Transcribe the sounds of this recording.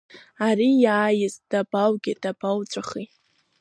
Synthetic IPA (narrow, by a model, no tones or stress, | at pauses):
aɾijaːjɪzd̥abawɡʲɪd̥abawt͡sʷʼaχitʼ